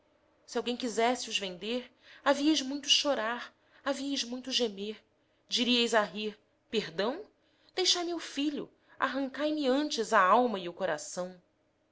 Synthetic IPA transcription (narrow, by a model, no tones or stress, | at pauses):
siawɡẽj̃kizɛsɪʊzvẽnd̪eɾaviɐjzmũj̃t̪ʊʃoɾaɾ | aviɐjzmũj̃t̪ʊʒemeɾ | d͡ʒiɾiɐjzaɦiɾ | pehd̪ɐ̃w̃ | d̪̥ejʃajmʊfiʎʊ̰ | a̰ɦɐ̃ŋkajmɪɐ̃nt͡ʃɪzaawmɐɪʊkoɾasɐ̃w̃